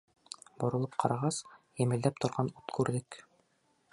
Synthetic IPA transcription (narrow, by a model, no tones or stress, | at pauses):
bŏɾŏlˠɤp̚qʰɑɾɑʁɑsjɘ̆mɘ̆ld̪æp̚t̪ŏɾʁɑnut̪kʉɾðɘk